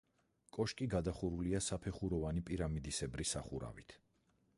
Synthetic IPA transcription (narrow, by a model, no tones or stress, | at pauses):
kʼɔʃkʼiɡad̪aχuɾuliasapʰɛχuɾɔvanipʼiɾamid̪isɛbɾisaχuɾa̰vit̪ʰ